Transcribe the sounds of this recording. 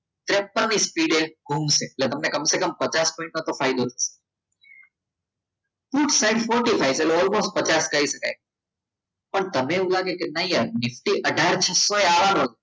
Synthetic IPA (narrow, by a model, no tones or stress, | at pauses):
t̪ɾep̚ːənispiɖeɡʱuːmseːʈlet̪əmnekəmsekəmpət͡ʃaspɔ̃ɪĩɳʈnət̪ofaɪd̪ot̪ʰəse̥ | puːʈsaɪɖfɔɾʈifʰaɪseʈleɔlmosʈ̚pət͡ʃaskəiʃəka̰j | pəɳt̪əmeũlaɡekenaianɪfʈiʔəɖʱaɾt͡ʃʰəsːoeaʋanɦot̪